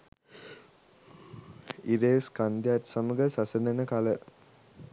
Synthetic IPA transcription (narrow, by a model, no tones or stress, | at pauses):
iɾeːskɐnd̪jaːtsɐmuɡɐsɐsɐnd̪ɐnɐkalə